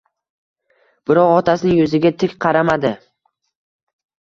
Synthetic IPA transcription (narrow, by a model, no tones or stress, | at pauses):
b̥ɪɾɒqɒt̪ʰasɪnɪŋjɵzɪɡʲat̪ʰɪkʲqʰɑɾamad̪ɪ